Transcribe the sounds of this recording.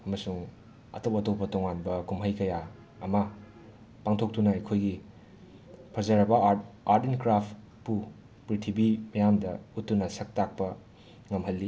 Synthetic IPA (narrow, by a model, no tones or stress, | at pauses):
ɐmɐsuŋ | ɐ̰tɐwɐtowpɐtoŋanbɐkumɦɐjkɐja | ɐmɐ | paŋtʰok̚tunɐɐjkʰojɡi | pʰɐzɐɾɐbɐaɾdenkɾapʰ | pu | pɾitʰibimɐjamdɐ̰utːunɐsɐk̚tak̚pɐ | ŋɐmɦɐlːi